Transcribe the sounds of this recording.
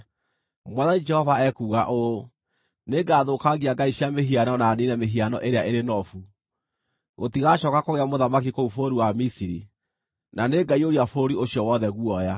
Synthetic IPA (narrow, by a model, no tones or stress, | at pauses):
mwaðanid͡ʒɛhɔvaɛkuːɣaʔo | neɡaːðokaɣiaɡaiɕameɦianɔnaninɛmeɦianɔʔeɾeaʔeɾenɔfu | ɣotiɣaɕɔːkakoɣeamoðamakikoufoːɾiwamisiɾi | naneɡaioɾiafoːɾioɕjɔwɔðɛɣwɔja